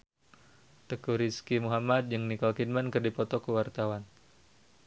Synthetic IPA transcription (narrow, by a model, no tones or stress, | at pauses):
t̪əkuɾiskimuɦamad̪̚d͡ʒɨŋnikɔlkid̚mankərdipɔt̪ɔkəwart̪awan